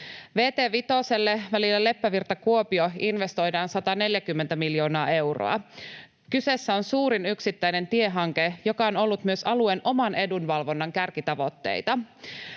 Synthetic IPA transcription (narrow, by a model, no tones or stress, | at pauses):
ʋe̞ːt̪e̞ːʋit̪o̞se̞lːeʋælilːæle̞pːæʋirt̪ɑkuopioinʋe̞st̪o̞jdɑːnsɑt̪ɑne̞ljækymːent̪æmiljo̞ːnɑːe̞wro̰ɑ̰ | kyse̞sːæo̞nsuːɾinyksit̪ːæjne̞nt̪ie̞ɦɑŋke̞jo̞kɑono̞lːut̪myø̞sɑluenʔo̞mɑnʔe̞dunʋɑlʋo̞nːɑŋkærkit̪ɑʋo̞t̪ːe̞̰jt̪ɑ